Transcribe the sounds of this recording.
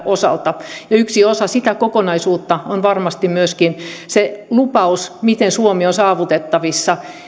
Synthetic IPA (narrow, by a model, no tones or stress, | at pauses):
ʔosɑ̰lt̪ɑjɑyksiosɑsit̪ækokonɑisuːt̪ːɑonʋɑrmɑst̪imyøskinselupɑusmit̪ensuomionsɑːʋut̪et̪ːɑʋisːɑ